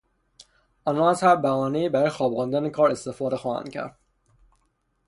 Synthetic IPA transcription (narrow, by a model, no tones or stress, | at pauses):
ɒːnɒːæzhæɾbæɒːneiːbæɾɔːjexɒːbʁund̪ænekʰɒːɾe̞st̪efɒːd̪exɒːhæ̰ncʰæ̰ɾd̪̥